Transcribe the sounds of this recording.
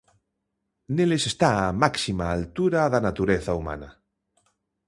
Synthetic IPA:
nelesest̪aamaksimaːlt̪uɾaðanat̪uɾeθauma̰na

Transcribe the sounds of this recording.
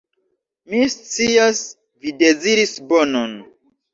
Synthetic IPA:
mist͡sias | vide̞ziɾisbo̞non

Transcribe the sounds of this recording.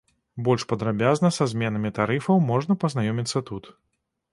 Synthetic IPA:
bɔlʲʂpɐd̪ɾabʲaznɐsazʲmʲɛnɐmʲit̪aɾɨfɐwmɔʐnɐpɐznajɔmʲit̪sːɐt̪ut̪

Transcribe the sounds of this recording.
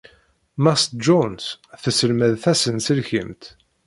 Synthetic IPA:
mæst̪̚d͡ʒɔnsθəsəlmæðθæsənsəlçəmt̪

